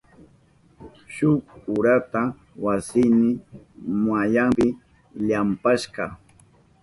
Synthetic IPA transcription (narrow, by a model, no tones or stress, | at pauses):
ʃʊkʊɾat̪a | wasɪnɪ | majaŋpɪ | ʎampaʃqɑ